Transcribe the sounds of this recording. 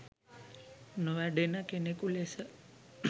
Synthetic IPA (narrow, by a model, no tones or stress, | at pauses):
noʋæɖenəkenekulesə